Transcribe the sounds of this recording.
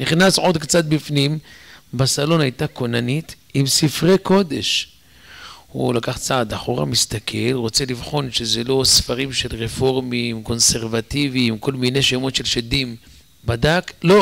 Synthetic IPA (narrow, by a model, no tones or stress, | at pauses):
niχnasʕo̞d̪kt͡sat̪̚bifnimbasalo̞najt̪ako̞nanit̪ | imsifʁeko̞d̪e̞ʃ | hṵlakaχt͡saːd̪aχoʁa̰mist̪akʰe̞lʁo̞t͡se̞livχo̞nʃezelo̞sfaʁimʃe̞lʁefo̞ʁmimko̞nse̞ʁvat̪iviːmko̞lmineʃemo̞tʃe̞lʃed̪im | bad̪aklo